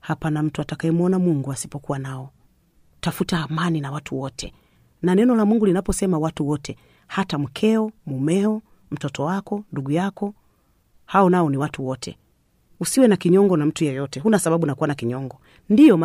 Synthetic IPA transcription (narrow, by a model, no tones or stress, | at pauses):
hapanam̩tuatakaɛmuɔnamuŋɡuasi̥pɔkuwanaɔ | tafutaːmaninawatʰuwɔtʰɛ | nanɛnɔlamuŋɡulinapɔsɛmawatuwɔtʰɛ | hatam̩kʰɛɔmumɛɔ | m̩tɔtɔwakɔnduɡujakɔ | haɔnaɔniwatuwɔtʰɛ̰ | usiwɛnakiɲɔŋɡɔnam̩tujɛjɔtɛɦunasababunakuwanakiɲɔŋɡɔ | ndijɔma